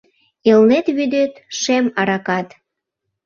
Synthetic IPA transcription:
elnet̪βyd̪et̪ʃemɑɾɑkɑt̪

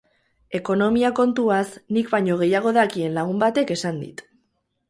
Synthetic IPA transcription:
e̞ko̞no̞miako̞nt̪uasnikbajɲo̞ɣe̞jaɣ̞o̞ðakie̞nlaɣ̞umbat̪e̞ke̞sand̪ḭt̪

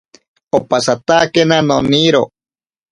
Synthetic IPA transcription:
opasat̪akenanoniɾo

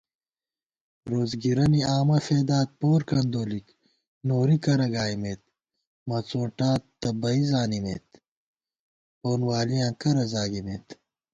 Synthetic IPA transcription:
ɾoːzɡiɾɐniaːmɐfeːd̪aːt̪̚poːɾkɐnd̪oːlik | noːɾikɐɾɐɡaːimeːt̪̚ | mɐt͡sõːʈaːt̪t̪ːɐbɐizaːnimḛːt̪ | oːnwaːlijãːkɐɾɐzaːɡimeːt̪

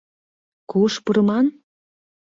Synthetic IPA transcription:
kuʃpuɾɤ̆mɑn

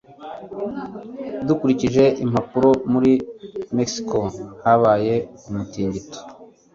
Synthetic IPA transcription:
dukuɾiciʒe̞ʔim̥apuɾo̞muɾime̞ksi̥kohaβaːje̞umutiːɲɟito̥

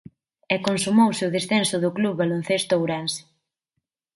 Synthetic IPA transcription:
ɛkonsumowsɪʊðesθɛnsʊðʊkluββalon̟θest̪ʊowɾans

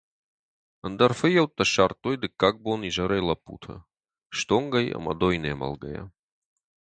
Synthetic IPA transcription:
ənd̪ɐrfɨjɐwt̪ːɐʃart̪ojd̪ɨkːak̚boniʒɐɾɐjlˠɐpṵt̪ʰɐ̰ | ʃt̪oŋɡɐjɐ̰mɐ̰d̪ojnemɐ̰lˠɡɐ̰ja̰

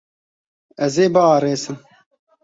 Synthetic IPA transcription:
ɛzeːbɐaːɾeːsɨm

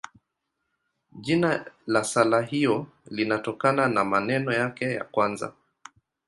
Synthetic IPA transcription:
ʄinalasalaɦiɔ | linatɔkananamanɛnɔjakɛja̰kwanza̰

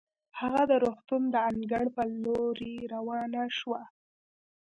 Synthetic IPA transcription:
haɣad̪əɾoxt̪und̪əaŋɡaɽpəloɾieɾawɑnaʃwa

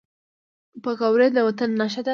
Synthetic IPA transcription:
pəɡɑwɾed̪əwat̪ənːɑʃ̬ad̪a

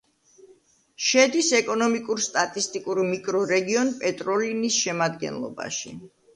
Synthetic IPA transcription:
ʃɛd̪isɛkʼɔnɔmikʼuɾst̪ʼat̪ʼist̪ʼikʼuɾmikʼɾɔɾɛɡiɔnpʼɛt̪ʼɾɔlinisʃɛmad̪ɡɛ̰nlˠɔ̰ba̰ʃi

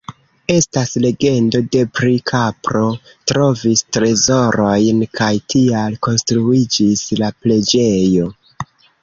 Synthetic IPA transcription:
e̞stasle̞ɡe̞ndo̞de̞pɾikʰapɾo̞ | tɾo̞vistɾe̞zo̞ɾo̞jnkʰajtʰialko̞nstɾuid͡ʒislaple̞d͡ʒe̞jo̞

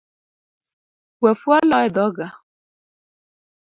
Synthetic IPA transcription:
wɛfwalɔɛd̪ɔɡa

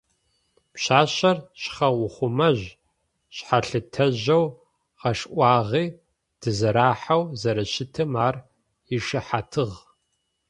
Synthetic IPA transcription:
pɕaːɕɐrɕχɐwʊχʷʊmɐʑ | ɕħaɬɨtʰɐʑɐw | qɐʂʔʷɑːʁiː | d̥ɨzɐɾaːħawzɐɾɐʃɪtʰɨmaːr | iʂɨħatʰɨʁ

